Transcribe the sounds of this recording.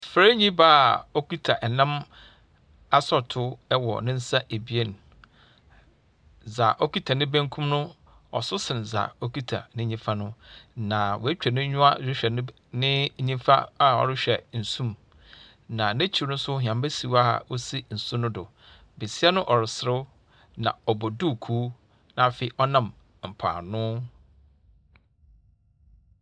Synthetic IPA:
fɾa˦ɲĩ˦ba˦˨ɔ˦ki˦tʰa˨ʔɛ˨nã˦m | a˦sɔ˦tʰʊ˦ɛ˦wɔ̰˨nɪ̃˦n̩˦sa˦ʔe˨bi˨e˦˨n˨ | za˨ʔɔ˦ki˦tʰa˨nɪ̃˦bæ̃˦ŋkʰũ˦mnʊ̃˦ | ɔ˨sʊ˦sɪ̃˨n˨za̰˨o˦ki˦tʰa̰˨nɪ̃˦ɲĩ˦fa˦nʊ̃˦nã˨wɔ˨æ˦t͡ɕᶣɛ˨nʊ̃˦ɲʊ̃˦a˦ɾᶣɪ˦ɕᶣɛ˨˦ | nɪ̃˦ɲĩ˦m˦fa˦a˦ɔ̰˨ɾɪ˦ɕᶣɛ˨n̩˨sũ˦m | nã˨næ̃˦t͡ɕʰi˨nʊ̃˦sʊ˦hã˨mbæ˦si˨wa˦a̰˨wo˦si˦n̩˨sʊ̃˦nʊ̃˦dʊ˨ | be˨sɪ˦ɛ˦nʊ̃˦ʔɔ˨ɾɪ˨sɪ˦ɾʊ˦ | nã̰˨ɔ˨bɔ˨du˦˨kʰuː˦ | nã˨fe˨i˨ʔɔ˦nã˨m | m̩˨pʰa̰ː˨nʊ̃˦

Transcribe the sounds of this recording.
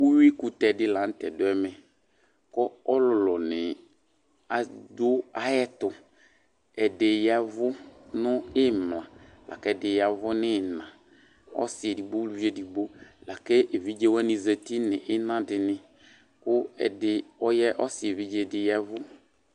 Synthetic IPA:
u˦wi˦kʊ˨tɛ˨dɪ˦la˨˦n̩˦tɛ˨dʊ˦ɛ˦mɛ˨ | kɔ˦ɔ˦lʊ˨lɔ˨nɪ˨ | a˨dʊ˦a˦jɛ˦tʊ˨ | ɛ˨de˨ja˨vʊ˦nʊ̃˦ɪ˦m˨lã˨ | lʔa̰˨kɛ˦˨dɪ˨ja˨vʊ˦nɪ˦˨nã˨ | ɔ̰˦sɪ˨ɛ˨di˨ɡ͡bo˦lu˦e˦di˨bo˦la˨ke˦e˨vi˦d͡ʒe˦wɛ˦nɪ̃˨ze˨ti˦nɪ˨ʔɪ˦nã˦dɪ˨nɪ̃˨ | kʊ˦ɛ̰˨dɪ˨ɔ˦jɛ˦ʔɔ˦sɪ˨e˨vi˦d͡ʒe˦dɪ˨jɛ˦vʊ˦

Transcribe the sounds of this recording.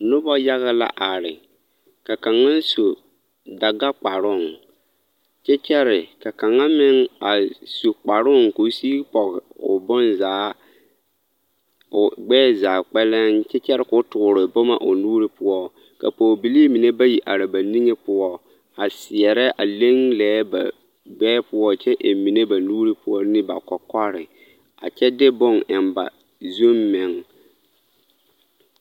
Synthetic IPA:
nʊ˦bɔ˦ja˦ɣa˦la̰˦ʔa˨ɾɪ˨ | ka˨ka˨ŋːa˦n˦so˨ | da˨ɡa˦k͡pa˨ɾʊ˦˨ŋ | t͡ʃɛ˦t͡ʃɛ˦ɾɪ˨ka˨ka˨ŋːa˦mɪ˦ŋa˨so˨k͡pa˨ɾʊ˦˨ŋko˨˦si˦pɔ˨ɣɪ˨ʊ̰˨bɔ˦nzaː˦ | ʊ˨ɡ͡bɛː˦zaː˨k͡pɛ˦lɛ˦nt͡ʃɛ˦t͡ʃɛ˦ɾɪ˦kʊ˦tʊ˨ɡʊ˨ɾɪ˨bɔ˦ma̰˨ʔo˨nuː˦ɾɪ˦pʊ˦ɔ˦ | ka̰˨poː˨bi˨liː˦mi˨ne˦ba˦ji˨ʔa˨ɾɪ˨ba˨ni˦ŋe˦pʊ˦ɔ˦ | a˨sɪ˨ɛ˨ɾɛ˦ʔa˨le˦ŋlɛː˨˦ba̰˨ | ɡ͡bɛː˦pʊ˦ɔ˦˨t͡ʃɛ˦ʔe˨mi˨ne˦ba˨nuː˦ɾi˦pʊ˦ɔ˦nɪ˦ba˨kɔ˨kɔ˦ɾɪ˨ | a̰˨t͡ʃɛ˦dɪ˦bʊ˦˨ŋɪ˨mba̰˨ | zo˦mːɪ˨ŋ

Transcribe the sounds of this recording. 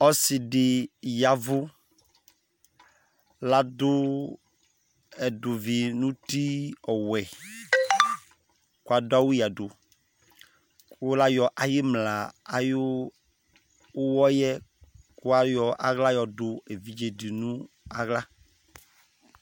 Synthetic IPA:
ɔ˦si˨ɖɪ˨ja˨vʊ˦ | la˦dʊ˦ | ɛ˨dʊ˨vi˨nũ˦t̪i˦ɔ˨wɛ˨ | ku˦a˨da˦wu˦ja˨ɖʊ˨ | ko˦la˦jɔ˨ʔa˨je˦mla˨a˨ju˦ | wɔ˦jɛ˦ku˦a˦jɔ˨ʔa˨ɣla˦jɔ˨dʊ˨e˨vi˦d͡ʒe˨di˨nũ˦ | a˨ɣla˦

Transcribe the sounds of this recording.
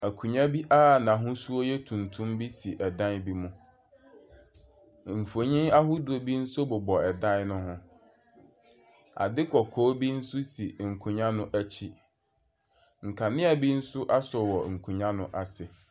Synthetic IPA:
æ˨kʰũ˨ɲã˦bi˦ʔaː˦˨nã˨ɦʊ̃˦su˦o˦jɛ˦tʰũ˨ntʰũ˦mbi˦si˨ʔɛ˨dã˦n˦bi˦mũ˦ | m̩˨fo˨ɲĩ˦na˦ɦʊ˦du˨o˨bi˦n̩˦sʊ˦bʊ˨bɔ˨ɛ˨dã˦nnʊ̃˦ɦʊ̃˦ | a̰˨dɪ˦kʰɔ˨kʰɔː˨˦bi˦n̩˦sʊ˦si˨ŋ̩˨kʰũ˨ɲã˦nʊ̃˦ʔæ˦t͡ɕʰi˦ | ŋ̩˨kʰa˨nɪ̃˦a˨bi˦n̩˦sʊ˦ʔa˦sɔ˨wɔ˨ŋ̩˨kʰũ˨ɲã˦nʊ̃˦ʔa˨sɪ˨

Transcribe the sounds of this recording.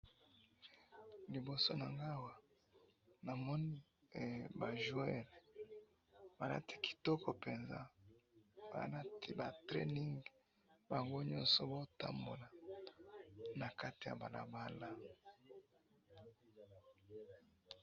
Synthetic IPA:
li˨bo˨so˦na˨ŋɡa˦˨wa˨ | na˨mɔ˦ni˦˨ | ba˨ʒu˦ɛ˦l | ba˨la̰˦ti̥˦ki̥˨tɔ˦kɔ˨pe˨nza̰˦ | ba̰˨la˦ti˦ba˨tʁḛ˦ni˦ŋɡ | ba˨ŋɡo˦ɲɔ˦nsɔ˦bo˦ta̰˦mbo˨la˨ | na˨ka˦ti˨ja̰˨ba˨la̰˨ba˦la˦

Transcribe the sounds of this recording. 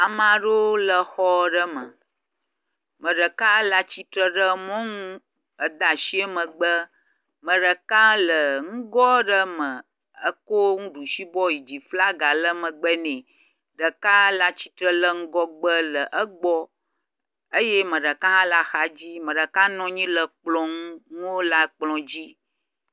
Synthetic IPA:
a˨mã˨ɖo˦lə˨xɔ˦ɖə˦mə˨ | mə̃˨ɖə˨ka˦la˦t͡ɕi˦t̪ɾə˦ɖə˦mɔ̃˦ŋũ˦ | ə˦d̪a˨ʃi˦ə˦mə̃˨ɡ͡bə˦ | mə̃˨ɖə˨kã˦lə˨ŋ̩̃˦ɡɔ˦ɖə˦mə̃˨ | ə˦ko˦ŋũ˦ɖu˨ʃi˦bɔ˦ji˨d͡ʑi˨fla˦ɡa˨lə˦mə̃˨ɡ͡bə˦nɛ̃˨ | ɖə˨ka˦la˦t͡ɕi˦t̪ɾə˦lə˦ŋ̩˦ɡɔ˦ɡ͡bə˦lə˨ʔə˦ɡ͡bɔ˦ | ə˦je˦mə̃˨ɖə˨ka˦ɦã˦la˦xa˨d͡ʑi˦mə̃˨ɖə˨ka˦nɔ̃˦ɲĩ˦lə˨k͡plɔ̃˦ŋũ˦ŋũ˦wo˦la˦k͡plɔ̃˨d͡ʑi˦

